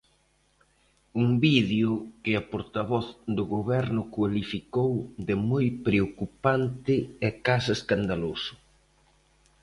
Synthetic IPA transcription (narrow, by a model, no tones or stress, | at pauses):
uŋbiðjʊkɪɐpoɾt̪aβɔθd̪ʊɣoβɛɾnʊkwalifikowðɪmojpɾeokupant̪ɪɛkasɐeskand̪alosʊ̥